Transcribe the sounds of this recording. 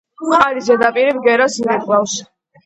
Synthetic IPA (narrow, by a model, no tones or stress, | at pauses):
χalizɛd̪apʼiɾibɡɛɾasmɛkʼvafs